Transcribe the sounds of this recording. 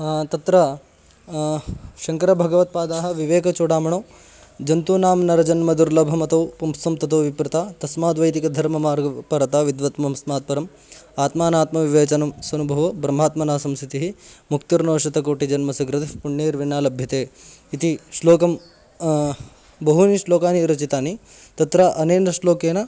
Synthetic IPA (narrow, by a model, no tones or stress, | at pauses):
t̪ɐt̪ɾɐ | ʃɐŋkɐɾɐbʱɐɡɐʋɐt̪̚paːd̪aːɦɐ̆ʋiʋeːkɐt͡ʃoːɽaːmɐɳoː | d͡ʒɐnt̪uːnaːmnɐɾɐd͡ʒɐnmɐd̪uɾlɐbʱɐmɐt̪ɐpɐmsɐmt̪ɐt̪oːʋipɾɪt̪aːt̪ɐsmaːd̪ʋɐjt̪ikɐd̪ʱɐɾmɐmaːɾɡɐpɐɾɐt̪aːʋid̪ʋɐt̪mɐmsmaːt̪̚pɐɾɐm | aːt̪maːnaːt̪mɐʋiʋeːt͡ʃɐnɐmsɐnubʱɐʋɐbɾɐm̤ːaːt̪mɐnaːsɐmsʰit̪iɦimukt̪uɾnoːʂɐt̪ɐkoːʈid͡ʒɐnmɐsɐɡɾɐt̪ipuɳːeːɾʋinːaːlɐbʱjɐt̪eːit̪iʃloːkɐm | bɐɦuniʂloːkaːniɾɐt͡ʃit̪aːni | t̪ɐt̪ɾɐʔɐneːnɐʂloːkeːnɐ